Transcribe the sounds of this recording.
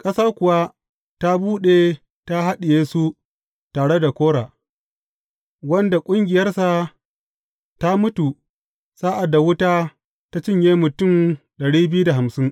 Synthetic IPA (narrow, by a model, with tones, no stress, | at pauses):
kʼɐ˦saː˦kʷʊ˨wa˦ | ta˦buː˦ɗe˨ | ta˦ɦa˦ɗɪ˨jeː˦su˦ | taː˨ɽe˦da˨kʷoː˦ɽaː˨ | wɐ˦nda˨kʷʼʊ˦ŋɡʲɪ˨jɐ˦rsa˨ | ta˦mʊ˦tu˨ | saː˦ʔa˨dːa˨wʊ˦taː˦ | ta˦t͡ʃɪ˦˨ɲjeː˦mʊ˨tʊ˦˨m | ɗɐ˨ɽiː˦bɪ˦ju˦da˨ɦa˨msɪ˦ŋ